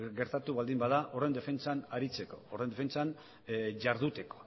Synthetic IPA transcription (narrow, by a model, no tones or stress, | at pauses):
ɡe̞ɾt̪at̪uβald̪imbaðaʔo̞re̞nd̪e̞fe̞nt͡sanaɾit͡se̞ko̞̥ːrend̪efe̞nt͡san | ʝaɾðut̪e̞ko̥